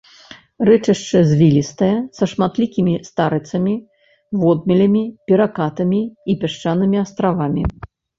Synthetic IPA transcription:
rɛt͡ʂɐʂt͡ʂɨzʲvʲilʲist̪ɐjɛsɐʂmat̪lʲikʲimʲist̪aɾɨt̪sɐmʲi | vɔd̪mʲilʲɐmʲipʲiɾakat̪ɐmʲiːpʲɛʂt͡ʂanɨmʲiast̪ɾavamʲi

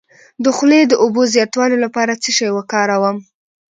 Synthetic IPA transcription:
d̪əxled̪əʔobozjɑt̪wɑlolapɑɾat͡səʃɑjwəkɑɾawəm

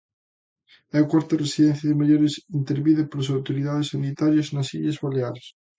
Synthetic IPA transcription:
akwaɾt̪ɐresiðɛnθjɐðemaʎoɾesint̪eɾβiðepoɾas̬awt̪oɾiðaðesːanit̪aɾjaznɐsḭʎɐzβaleaɾs

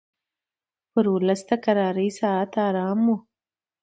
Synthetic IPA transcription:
pəɾwʊləsd̪akaɾɑːɾəjsɑat̪ɑːɾɑːmu

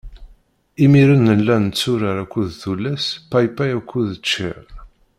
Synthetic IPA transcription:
imiɾənːəlːænət͡sːʊɾaɾækʷːuðθulːæspajpæjækʷʰːuðət͡ʃːḭʁ

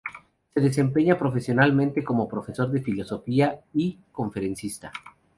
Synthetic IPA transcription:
se̞ðe̞s̬e̞mpe̞ɲapɾo̞fe̞sjo̞nalmẽnt̪e̞ko̞mo̞pɾo̞fe̞so̞ɾðe̞filo̞so̞fiaiko̞ɱfe̞ɾensist̪a̰

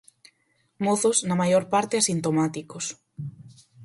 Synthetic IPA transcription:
moθoznɐmajoɾpaɾt̪easint̪omat̪ikos

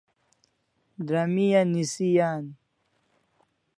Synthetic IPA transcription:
d̪ɾɐmijanisijaːn

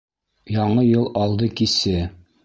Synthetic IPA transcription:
jɒɴɤjɤlˠɒlˠd̪ɤkisɘ

